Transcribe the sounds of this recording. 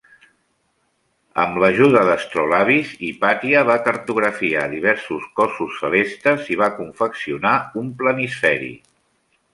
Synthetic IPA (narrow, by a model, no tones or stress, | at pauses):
ə̰mləʒuðəðəst̪ɾɔlaβizipat̪iəβakəɾt̪uɣɾəfiaðiβ̞ɛɾsuskɔsusːəlest̪əziβ̞akuɱfəksiunaumplənisfɛɾḭ